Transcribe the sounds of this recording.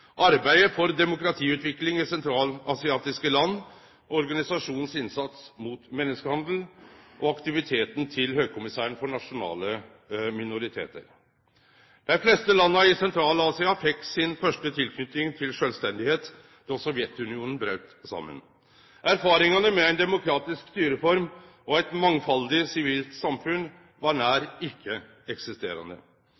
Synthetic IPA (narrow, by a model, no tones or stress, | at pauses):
ʔɑɾbæɪəfɔɾd̪ɛmʊkɾɑt̪ʰiːʉːt̪ʋɪklɪŋɪsɛnt̪ʰɾɑːlɑsɪɑːt̪ɪskəlɑnː | ɔɾɡɑnɪsɑʂuːnn̩sɪnsɑt̪smuːt̪mɛnːəskəhɑnd̪l̩ʔɔɑkt̪ɪʋɪt̪ʰeːt̪ən̩t̪ʰɪlhøːɡ̚kʰʊmɪsæːɾəɳ̩fɔɳɑʂʊnɑ̰ːlə | mɪnʊɾɪt̪ʰḛːt̪ə̰ɾ | d̪̥æɪflɛst̪əlɑnːəɪsɛnt̪ʰɾɑːlɑːsɪɑfɛkːsɪnfœʂʈət̪ʰɪlkʰnʏt̪ɪŋt̪ʰɪlʂølst̪ɛnd̪ɪheːt̪ | d̪̥ɔsɔʋjɛt̪ʉnɪuːnn̩bɾœʉt̪sɑ̰mːə̰n | æɾfɑːɾɪŋɑnəmɛæɪnd̪ɛmʊkʰɾɑːt̪ɪskst̪yːɾəfɔɾm | ɔɛɪt̪mɑŋfɑld̪ɪsɪʋiːlt̪sɑmfʉn | ʋɑɳæːɾɪkʰːə | ɛksɪst̪eːɾɑ̰nd̪ə̰